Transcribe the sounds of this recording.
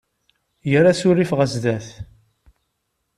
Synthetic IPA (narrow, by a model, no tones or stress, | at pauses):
jəɾasʊɾːifʁəzðæθ